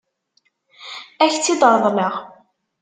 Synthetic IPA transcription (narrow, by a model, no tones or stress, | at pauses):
æçt͡sːid̪əɾˤðˤnəʁ